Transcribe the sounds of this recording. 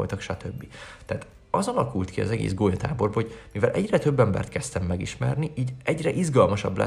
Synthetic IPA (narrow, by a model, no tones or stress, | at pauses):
lt̪ɒkʃɒt̪ʰøbːit̪ɛaːt̪ | ɒzɒlɒkult̪kiɒ̰zɛɡḛːzɡoːjɒt̪a̰ːbo̞rbɒhoɟ̥mivɛlʔɛɟrɛt̪ø̞bːɛmbɛ̰rt̪kɛst̪ɛmːɛɡiʃmɛ̰rniʔiːɟɛɟrɛʔizɡɒlmɒʃɒ̰blɛ̰